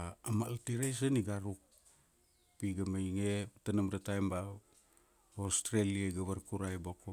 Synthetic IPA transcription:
amaltiɾejs̬aniɡaɾuk̚ | piɡamejŋetanamɾatajmbaw | ostɾeliaɡaβaɾkuɾajboko

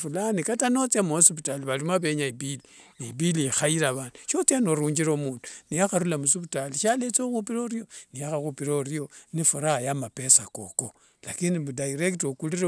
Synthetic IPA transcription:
fulanikatanot͡siamosiβutaliβalimaβe̞ɲaibili | niibiliixaiɾaβaːnduʃot͡sianoɾuːɲd͡ʒiɾomuːndu̥nijaxaɾulamusiβutaliʃalet͡sixupiɾoɾijo̞nijaxaxupiɾorijonifuɾajamape̞sako̰ko | lakinimudaiɾektokuliɾe

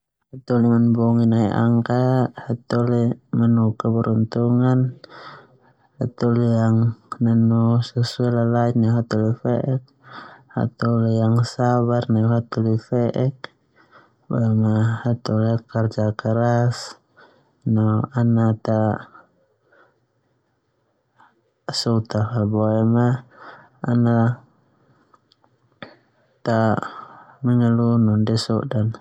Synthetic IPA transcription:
hat̪ɔlimanbɔŋinaiʔa̰ŋkahat̪ɔlimanukabəɾunt̪uŋan | hat̪ɔlijaŋnanusɛsualalainaɦat̪ɔlifɛʔɛk̚ha̰t̪ɔlijaŋsaβarnaɦat̪ɔlifɛʔɛk | boɛmahat̪ulkːard͡ʒakəɾas | noanat̪a | sut̪ahaboɛmaː | na | t̪a | məŋəlunundɛsṵʔdan

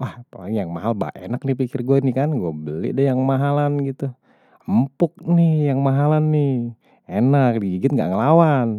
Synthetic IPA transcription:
wahpala̰iŋjaŋmaɦalba̰ʔḛnak̚nihpikɪrɡuanɪkanɡuabəlɪ̰dɛjaŋmaɦalanɡit̪u | əmpʊk̚nɪjaŋmaɦalanːɪh | enak̚diɡiɡɪt̪̚ŋɡa̰ʔŋəlawan

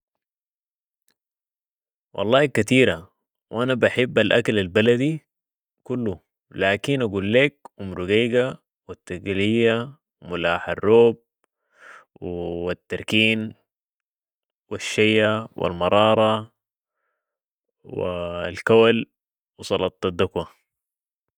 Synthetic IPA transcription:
wʔɑ̰lˤːɑːikat̪iːɾa | wʔanabaħɪbːalʔa̰kalalbalad̪i | kulːu | laːkinaɡuːlːeːk̚ʔumɾuɡeːɡa | wit̪ːaɡalijːa | wmʊlaːħarːoːb̚ | wt̪ːɑɾˤkiːn | wiʃːajːawʔḭlmɑɾˤɑːɾˤɑ | w̰lkawal | wsˤɑlɑt̪ˤːɑd̪ːakwa

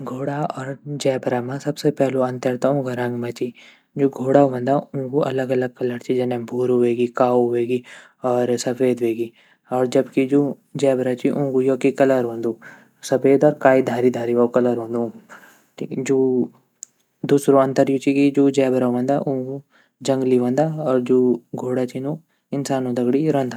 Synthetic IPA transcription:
ɡʱoːɽaɔːɾd͡ʒɛːbɾamãsɐbsepɛːloɐ̃nt̪əɾt̪ãũːɡaɾɐ̃ŋɡmãt͡ʃi | d͡ʒoːɡʱoːɽaʋə̃nd̪aʊ̃koɐ̰ləɡɐləɡ̚kɐləɾt͡ʃid͡ʒɐnɛ̃bʱuːɾʊʋeːɡikaːoʋeːɡi | ɔːɾsɐfʰeːd̪ʋeːɡi | ɔːɾd͡ʒɐbkid͡ʒoː | d͡ʒɛːbɾat͡ʃiʔʊ̃ːkujoːkikɐləɾɦõːnd̪uː | sɐpʰeːd̪ɔːɾkaːid̪ʱaːɾid̪ʱaːɾiʋaːkɐləɾɦõːnd̪ũ | d͡ʒoː | d̪uːsɾoɐ̃nt̪əɾjot͡ʃikid͡ʒoːd͡ʒɛːbɾaʋə̃nd̪aʔũːku | d͡ʒɐ̃ŋɡliʋə̃ːnd̪aːɔːɾd͡ʒoːɡʱoːɽat͡ʃino | ɪnsaːnõːd̪ɐɡɽiɾõːnd̪a

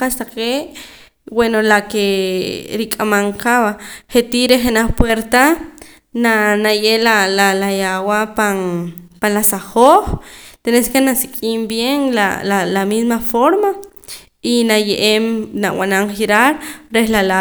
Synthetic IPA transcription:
ast̪aqeʔ | wenolake | ɾikʼamaŋqaβaχet̪iɾeχenaχpweɾt̪a | nanajelalalajawapaŋpanlasaχoχt̪eneskenasikʼimbjeŋla̰lalamismafoɾma | inajeʔemnawʔa̰naŋχiɾaɾɾehlala

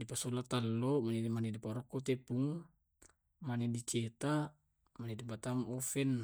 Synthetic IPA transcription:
dipasolat̪alːomanɛdimanɛdipaɾɔkːɔt̪epuŋ | manɛdit͡ʃet̪a | manɛdibat̪aŋɔfɛn

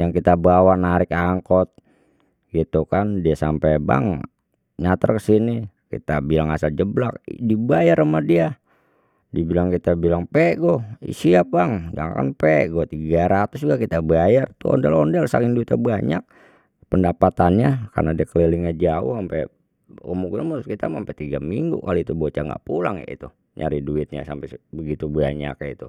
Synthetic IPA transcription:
jaŋkit̪abawanaɾɪkaŋkɔt̪̚ | ɡit̪ukandiasampeba̰ŋ | ɲat̪ərkəsinikḭt̪abilaŋasald͡ʒəblak̚dibajaɾəmadia | dibilaŋkit̪abilaŋpɛʔɡoḭsiap̚baŋd͡ʒa̰ŋka̰npɛʔɡot̪iɡaɾat̪ʊs̬d͡ʒuɡakit̪abəajart̪uɔ̰ndɛlɔndɛlsaŋiŋduit̪abaɲa̰k̚ | pəndapat̪anɲaka̰rnadiakəleliŋɲad͡ʒaʊ̰hampɛ | kəmukunanmuskit̪amampɛt̪iɡamiŋɡṵkaloit̪ubot͡ʃaŋɡa̰ʔpula̰ŋja̰ʔḭt̪u | ɲa̰ɾiduɪt̪̚ɲa̰sampɛbəɡit̪ubəa̰ɲa̰kjait̪u

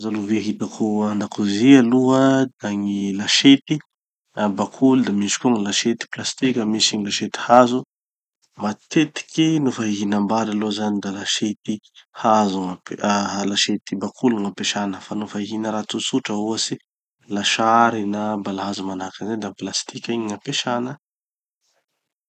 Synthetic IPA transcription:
zaluveɦit̪akʰuand̪akuzialuəd̪aŋilaʃet̪i | bakʰulud̪amiʃi̥kuŋilaʃet̪i̥plast̪ikʲəmisiŋilaʃet̪i̥hazu | mat̪et̪i̥kʲinofaɦiɦinambaɾalozanid̪alaʃet̪i | hazuŋaplaʃet̪ibakʰuluŋapeʃanəfanufaiɦinəɾat͡susuʈ͡ʂəuasi | laʃaɾinabalaɦazumanakazad̪aplast̪ikʲiɲiŋapeʃanə

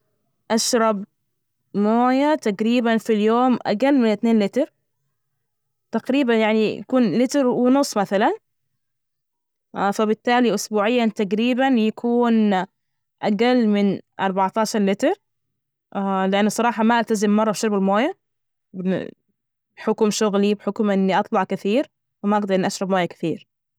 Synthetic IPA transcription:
ʔaʃɾˤɑb | moːjat̪aɡɾiːbanfiljoːmʔa̰ɡalːmɪnɪt̪neːnlɪt̪ɾˤ | t̪aɡɾiːbanjaʕnija̰kuːnlɪt̪ɾwɪnʊsˤːmaθalan | ʔfabɪt̪ːaːliʔʊsbuːʕɪjːat̪aɡɾiːbanjakʰuːn | ʔaɡalːmɪnʔɑ̰ɾˤbɑʕt̪ɑːʃɑɾˤlɪt̪ɑɾˤ | lɪʔanːsˤɑɾˤɑːħɑmaʔalt̪azɪmːɑrˤːɑbʃʊɾbɪlmoːja | bɪ̰ | bħʊkmʃʊɣlibħʊkmʔɪnːiʔɑt̪ˤlɑʕkɪθiːɾ | wɪmaʔɑɡd̪ɑɾʔɪnːʔaʃɾˤɑbmoːjakɪ̥θiːɾ

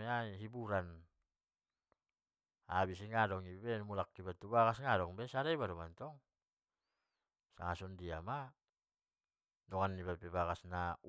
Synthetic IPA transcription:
eaiɦibuɾan | abisiŋadɔŋibɛmulakːibat̪ubakasŋadɔŋbɛsaɾaibadɔmant̪ɔŋ | sa̰ŋasɔndiama | dɔŋanːibapɛbaɡasna

